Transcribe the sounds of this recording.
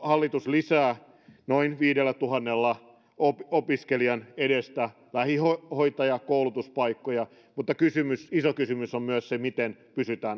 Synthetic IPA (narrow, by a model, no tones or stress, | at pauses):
hɑlːit̪uslisæː | noinʋiːdelːæt̪uɦɑnːelːɑ | opopiskeliɑneɾest̪æ | læhihohoit̪ɑjɑkoulut̪uspɑikːojɑ | mut̪ːɑkysymysisokysymysommyøssemit̪enpysyt̪æːn